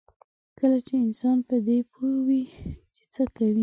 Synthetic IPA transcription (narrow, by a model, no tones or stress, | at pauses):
kəlat͡ʃeɪnsɑnpəd̪epʰowit͡ʃe̥t͡səkawi